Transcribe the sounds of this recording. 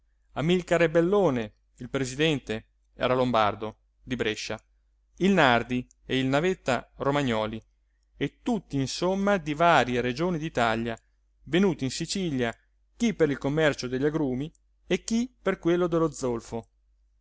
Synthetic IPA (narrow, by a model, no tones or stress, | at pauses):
amilkaɾebelːoːne | ilpɾezid̪ɛnt̪e | ɛ̰ːɾalomba̰rd̪o | d̪ibɾeʃːa | ilnard̪i | eilnavet̪ːaromaɲːɔːli | et̪ːut̪ːiːnsomːad̪ivaːɾjeɾed͡ʒoːnid̪it̪aʎja | venuːt̪iinsit͡ʃiʎja | k̟ipːeɾilkomːɛrt͡ʃod̪eʎːaɡɾuːmi | ekːipːerkwelːod̪elod̪zːolfo